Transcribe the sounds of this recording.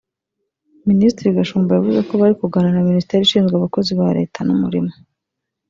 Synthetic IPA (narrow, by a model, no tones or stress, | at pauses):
ministɾiɡaʃuːmbajavuzeko̞βaɾikuɡananaministeːɾiʃiːnzɡwaβako̞ziβaɾe̞̰ːtʰanumuɾimo